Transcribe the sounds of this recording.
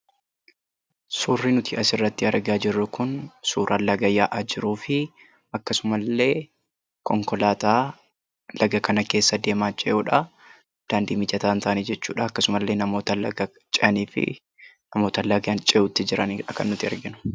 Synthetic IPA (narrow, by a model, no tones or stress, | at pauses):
suːrːinʊt̪ɪʔɐsɪrːɐt̪ːɪɐɾɡaːd͡ʒɪrːʊkʊnsuːɾʔaːlːɐɡɐjːaːʔad͡ʒɪɾuːfɪ | ɐkːɐsʊmɐlːe̞ː | kɔŋkɔlaːt̪aː | lɐɡɐkɐnɐke̞ːsːɐd̪e̞ːmaːt͡ʃʼɛʔuːᶑɐ | d̪̥aːnd̪iːmɪd͡ʒɐt̪aːnt̪ʰɐʔnid͡ʒɛt͡ʃːṵːᶑɐɐkːɐsʊmɐlːe̞ːnɐmo̞ːt̪ɐlɐɐ | t͡ʃʼɛʔɐniːfɪ̰ | nɐmo̞ːt̪ɐlɐɡɐant͡ʃʼɛʔuːt̪ːɪd͡ʒɪɾɐniᶑɐkɐ̰nːʊt̪ɪɐ̰ɾɡɪnʊ̥